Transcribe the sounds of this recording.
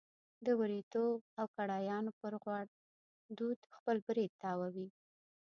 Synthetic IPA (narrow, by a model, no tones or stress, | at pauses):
d̪əwəɾit̪obawkaɽɑjɑnopəɾɣwɑɽ | d̪ud̪xpəlbɾed̪̚t̪ːɑwawi